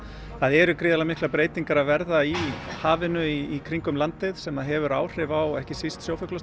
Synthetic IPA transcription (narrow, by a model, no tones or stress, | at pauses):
θaðɛɾʏkɾɪːðalamɪhklapɾeːjt̪iŋkaɾavɛɾðaihaːvɪnʏiikʰɾiŋkʏmlant̪ɪðsɛmaðɦɛvʏɾa̰ːwr̥ɪvawɛhcɪsist̪sjoːwfœklas